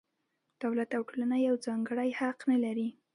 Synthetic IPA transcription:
d̪̥awlat̪awʈolanajawd͡zɑŋɡəɽajhaqnalaɾi

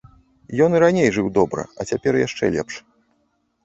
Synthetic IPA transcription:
jɔnɨɾanʲejʐɨwd̪ɔbɾɐ̰ɐt͡sʲapʲɛrjaʂt͡ʂɛ̰lʲɛ̰pʂ

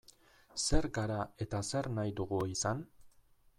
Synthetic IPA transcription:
se̞ɾɡaɾae̞t̪ase̞ɾnajd̪uɣuisan

